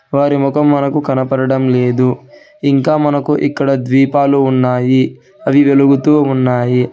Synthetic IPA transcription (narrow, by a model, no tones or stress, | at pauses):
ʋaːɾimɔkɐmːɐnɐkukɐnɐpɐɽɐɽɐmle̞ːd̪u | iŋkaːmɐnɐkuʔikːɐɽɐd̪ʋiːpaːluːnːaːji | ɐʋiʋeluɡut̪uːunːaːji